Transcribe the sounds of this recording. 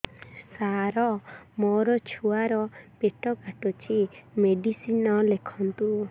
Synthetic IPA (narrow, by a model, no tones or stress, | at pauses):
saɾɔmoɾɔt͡ʃʰuaɾɔpeʈɔkaʈɔt͡ʃʰimeɖisinɔlekʰɔnt̪u